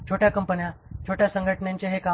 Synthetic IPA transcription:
t͡ɕʰoʈjakəmpənjat͡ɕʰoʈjasəŋɡʱəʈəɳjãɲt͡ɕeɦeka

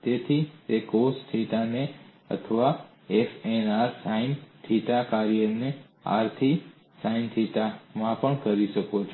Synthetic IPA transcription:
t̪et̪ʰit̪ekosʈʰiʈane | ə̰t̪ʰəʋa | efenaɾsainʈʰiʈakaɾijəne | a̰ɾt̪ʰi | sainʈʰiʈamãpəɳkəɾiʃəkot͡ʃʰ

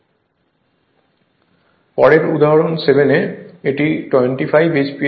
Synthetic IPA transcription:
pɔɽeɾud̪aɦoɽonsebʱeneeʈiʈweɳʈifʰajbit͡ɕpi

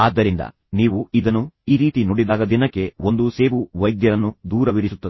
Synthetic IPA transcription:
aːd̪ːɐɾind̪ɐ̰ | niːʋuid̪ɐnːuiːɾiːt̪inoɽid̪aːɡ̪ɐd̪inɐkːe̞o̞nd̪use̞ːʋuʋɐjd̪jɐɾɐnːud̪uːɾɐʋiɾisut̪ːɐd̪i

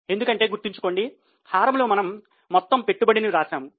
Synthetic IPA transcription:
e̞nd̪ukɐɳʈe̞ːɡuɾt̪iɲt͡ʃu̥ko̞ːɳɖi | hʰaːɾɐmloːmɐnɐmː | ɔt̪ːɐmpe̞ʈːubɐɽiniɾaːʃaːmu

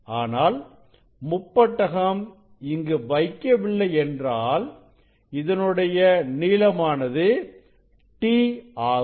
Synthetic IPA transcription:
aːnaːl | mʊpːɐʈːɐɣɐm | ɪŋɡɯʋɐɪkːɐʋɪɭːɐɪɛndraːl | ɪðɐnɯɽɐjɐniːlɐmaːnɐðɯ | ʈiːaː

